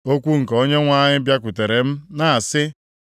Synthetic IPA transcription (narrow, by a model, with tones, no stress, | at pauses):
o˦kʷu˦ŋ̩˨ko˦ɲe˦ŋʷa˦ɲɪ˦bja˦kʷʊ˨te˨ɾe˨m̩˦na˦a˨sɪ˦